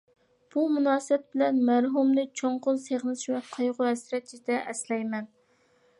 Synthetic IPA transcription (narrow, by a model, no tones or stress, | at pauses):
b̥umunɑːsp̚bɪlɛnmæɾɦumnɨt͡ʃʰoɴqʊlˠseʁnɨʃmɛqʰɑjʁʊhɛsɾɛt̪̚t͡ʃid̪ɛʔɛslɛjmɛn